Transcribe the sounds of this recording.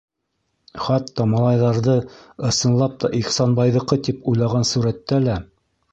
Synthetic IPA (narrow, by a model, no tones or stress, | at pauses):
χɑt̪ːɑmɑlˠɑjðɑɾðɤɤ̆sɤ̆nlˠɑp̚t̪ɑʔiχsɑnbɑjðɤ̆qɤt̪ipujlˠɑʁɑnsuɾæt̪ːælæ